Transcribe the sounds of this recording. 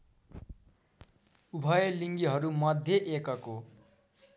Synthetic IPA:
ubʱʌjeliŋɡiɦʌɾumʌd̪ʱjeʔekʌko

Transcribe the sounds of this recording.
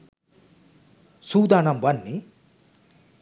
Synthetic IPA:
sud̪anambɐnːi

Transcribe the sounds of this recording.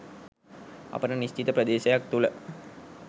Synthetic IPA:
a̰pəʈənist͡ʃit̪əprəd̪eːʃəjak̚t̪ulə

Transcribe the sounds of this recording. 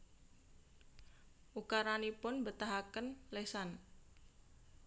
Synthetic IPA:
ʔukaɾanipʊnbət̪aɦakənlesan

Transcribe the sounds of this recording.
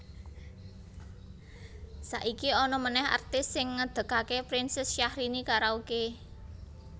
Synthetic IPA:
sa̰ʔikiɔnɔmənɛɦa̰rt̪ɪsːɪŋːəd̪̥ə̤kakepɾɪnsɪsʃahɾinikaɾauke

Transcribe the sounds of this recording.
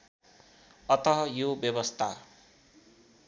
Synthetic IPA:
ʌt̪ʌɦʌjobjʌbʌst̪ʰa

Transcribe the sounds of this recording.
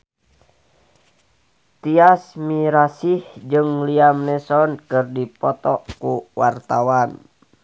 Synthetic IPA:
t̪iasmiɾasihd͡ʒɨŋliamnɛsɔnkɨrdipɔt̪ɔkuwart̪awan

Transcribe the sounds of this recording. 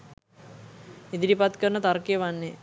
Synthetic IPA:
id̪iɾipat̪kəɾɳət̪arkejəʋanːe

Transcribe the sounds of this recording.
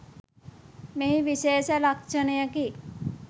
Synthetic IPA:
meɦiʋiʃeːʃəɾɐkʃənəjəki

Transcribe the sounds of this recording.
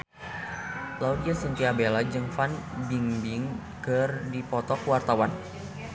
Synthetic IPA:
laudiasənt̪iabelad͡ʒəŋfanbiŋbiŋ | kərdipɔt̪ɔkwart̪awan

